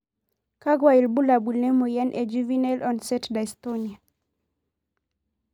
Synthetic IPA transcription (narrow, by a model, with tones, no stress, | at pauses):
ka˦ɡwa˨i˨lbu˦la˨bu˨lnɛ˦mo˨jɛ˦nʔe˨d͡ʒu˦vi˦nɛlʔɔ˨nsɛ˦tda˨i˨st̪onia˨